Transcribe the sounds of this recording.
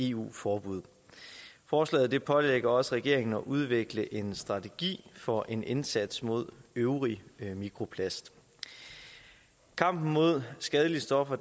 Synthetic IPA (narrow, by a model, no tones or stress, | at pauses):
e̝ṵːfɒːb̥uð̰ˠ | fɒːslɛ̰ːð̩ˠd̥e̝pʰɒ̽leɡ̥ɐɒ̽səʁɛɡ̥e̝ɐe̝ŋn̩ɒ̽ʔuð̞ˠʋeɡ̥ləʔe̝nsd̥ʁɑ̈t͡sʰeɡ̥ḭːfɒ̽ʔe̝nʔe̝nsæd̥smo̝ð̞̰ˠøʊʁimikʰʁo̝pʰlæsd̥ | kʰɑ̈m̰b̥n̩mo̝ð̞̰ˠsɡ̥ɛð̞ˠəlisd̥ɒ̽fɐ